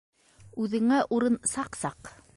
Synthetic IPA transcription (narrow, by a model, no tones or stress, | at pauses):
ʉðɘ̆ŋæʔuɾɤnsɑqsɑq